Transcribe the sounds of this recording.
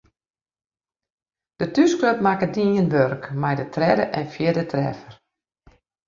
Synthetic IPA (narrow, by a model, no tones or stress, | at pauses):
d̥ətyskløp̚makədinjənʋørkmajdətrɛdəʔɛnfjɪdətʰrɛ̰fər